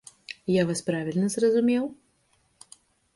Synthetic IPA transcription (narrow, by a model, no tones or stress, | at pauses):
javaspɾavʲilʲnɐzrɐzumʲɛw